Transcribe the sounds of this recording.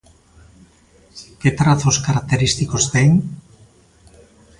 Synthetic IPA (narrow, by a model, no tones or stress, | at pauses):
ket̪ɾaθo̞skaɾak̚t̪eɾist̪iko̞zd̪ejn